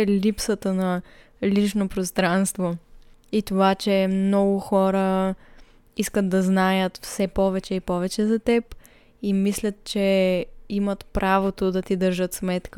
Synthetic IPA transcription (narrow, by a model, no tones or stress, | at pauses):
lipsət̪ənɐ | lit͡ʃnopɾost̪ɾanst̪voit̪ovat͡ʃɛmnɔɡʊxɔɾə | iskəd̪d̪ɐznajət̪fsɛpɔvɛt͡ʃɛipɔvɛt͡ʃɛzɐt̪ɛp | imislʲət̪̚t͡ʃɛimət̪pɾʔavot̪od̪ɐt̪id̪əɾʒət̪smɛt̪k